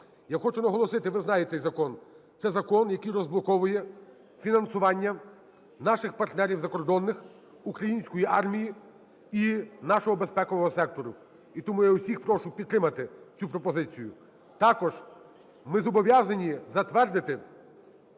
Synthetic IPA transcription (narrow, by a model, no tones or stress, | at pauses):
jaxɔt͡ʃʊnɐɦɔlˠɔsɪt̪ɪʋɪznɑjet̪sɛjzɐkɔnt̪sɛzɐkɔnjɐkɪjɾɔzblˠɔkɔʋʊjɛ | fʲinɐnsʊʋɑnʲːɐ | nɑʃɪxpɐrt̪nɛɾʲiwzɐkɔrd̪ɔnːɪx | ukɾɐjinʲsʲkɔjiʔɑrmʲiji | inɑʃɔɦɔbespɛkɔʋɔɦɔsɛk̚t̪ɔɾʊ | it̪ɔmujausʲixpɾɔʃʊpʲid̪t̪ːɾɪmɐt̪ɪt͡sʲupɾɔpɔzɪt͡sʲijʊ̰ | t̪ɑkɔʒ | mɪzɔbɔʋʲjazɐnʲizɐt̪ʋɛrd̪ɪt̪ɪ